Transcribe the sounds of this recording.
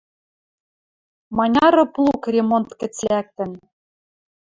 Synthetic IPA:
mɑnʲɑɾɤ̆plˠukrʲemont̪kɘ̆t͡slæk̚t̪ɘ̆n

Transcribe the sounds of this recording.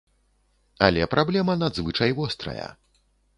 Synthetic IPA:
alʲɛpɾʔablʲɛmɐnad̪zvɨt͡ʂɐjvɔst̪ɾɐ̰jɐ̰

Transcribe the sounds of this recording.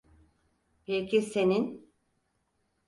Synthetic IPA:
pʰelcʰise̞nin

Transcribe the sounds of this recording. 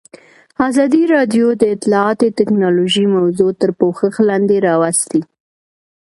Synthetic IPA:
ɑzɑd̪iɾɑd̪jod̪əɪt̪lɑɑt̪ot̪ɪknɑloʒimawzot̪əɾpoxəxlɑnd̪eɾɑwast̪i

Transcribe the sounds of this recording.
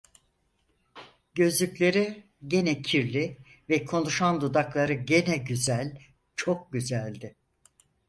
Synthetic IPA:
ɟø̞zlʲyclʲe̞ɾi | ɟe̞nɛcʰiɾlʲi | vɛkʰo̞nuʃand̪ud̪aklˠaɾɯɟe̞nɛɟyzælʲ | t͡ʃʰo̞k̚ɟyzælʲd̪ɪ

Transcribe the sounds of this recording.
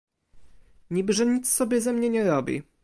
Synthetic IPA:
ɲibɘʐɛɲit̪ssɔbʲjɛzɛmɲɛɲɛɾɔbʲḭ

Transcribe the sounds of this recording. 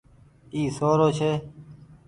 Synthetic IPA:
iːsoːɾoːt͡ʃʰeː

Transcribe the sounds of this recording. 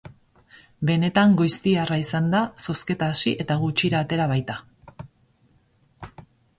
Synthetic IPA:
be̞ne̞t̪aŋɡujst̪iaraisand̪aso̞ske̞t̪aːsiʔe̞t̪aɣut͡ʃiɾaːt̪e̞ɾaβ̞ajt̪a

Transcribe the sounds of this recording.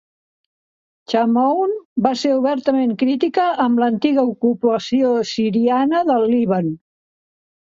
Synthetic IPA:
t͡ʃamownbaseɾuβɛɾt̪əmeŋkɾit̪ikəʔːmlənt̪iɣəukupəsiosiɾianəðəlˠːiβən

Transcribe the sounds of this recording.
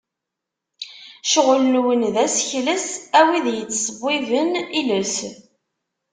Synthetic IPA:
ʃəʁlənwənðæsçləsæwiðjət͡sːsˤəbːivəniləs

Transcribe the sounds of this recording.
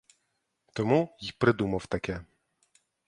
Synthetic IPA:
t̪ɔmujipɾɛd̪umɔwt̪akʲɛ

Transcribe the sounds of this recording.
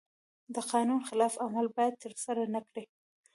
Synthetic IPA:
d̪əqɑnunxɪlɑfamalbɑjad̪̚t̪əɾsaɾanəkɽi

